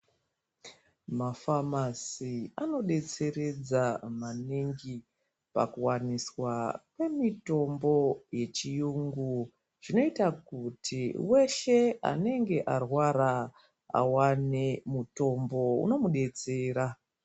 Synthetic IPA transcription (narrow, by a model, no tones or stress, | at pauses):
mafamasiano̞ɗe̞t͡se̞ɾe̞d͡zamaniŋɡi | pa̰kuwaniswakwe̞mito̞mbo̞je̞t͡ʃijuŋɡu | ʐ̥ino̞itakutʰiwe̞ʃe̞a̰ne̞ŋɡe̞ʔarwaɾa | a̰wane̞muto̞mbo̞ṵno̞muɗe̞t͡se̞ːɾa